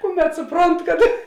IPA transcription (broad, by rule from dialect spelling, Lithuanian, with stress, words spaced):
ˈkʊˌmʲɛt sʊˈproːnt kɐt